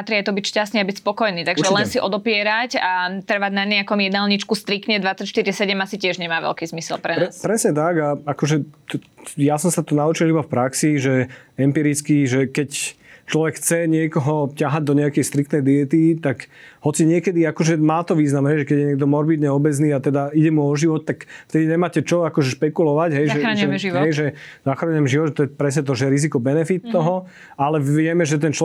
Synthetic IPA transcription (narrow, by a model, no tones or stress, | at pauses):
pat̪ɾiajt̪ɔbicʃcast̪nɛabicspɔkɔjniːt̪aɡʒɛlɛnsiʔɔd̪ɔpɪɛɾacat̪rɾ̩ʋaɟnaɲɛakɔmjɛd̪alɲit͡ʃkust̪ɾikt̪ɲɛd̪ʋat͡sːacʃt̪iɾisɛɟɛmasicɪɛʒɲɛmaːʋɛ̰lkiːzmisɛ̰lpɾɛnɾɛaspɾɛsɲɛt̪aɡaakɔʒɛt̪ɔjasɔmsat̪ɔnaut͡ʃilibafpɾaksiʒɛɛmpiːɾit͡skiʒɛkɛct͡ʃlɔʋɛkxʰt͡sɛɲɪɛkɔɦɔcaɦaɟ̚d̪ɔɲɛakɛjst̪ɾikt̪nɛjd̪iɛt̪it̪akɦɔt͡siɲɪɛkɛd̪iakɔʒɛmaːt̪ɔʋiːznamɦɛjʒɛkɛɟjɛɲɪɛɡ̚d̪ɔmɔɾbid̪ɲɛɔbɛd͡zniːat̪ɛd̪aiɟɛmuɔʒiʋɔt̪̚ːakft̪ɛd̪iɲɛmaːcɛt͡ʃɔakɔʒɛʃpɛkulɔʋaɟɦɛjʒɛʒɛɦɛjʒɛzaxɾaɲɛɛmʒiʋɔʒɛt̪ɔjɛpɾɛs̬ɲɛt̪̬ɔʒɛɛɾizikɔbɛnɛfit̪ːɔɦɔ | alɛʋʋɪɛmɛʒɛt̪̬ɛnt͡ʃɔ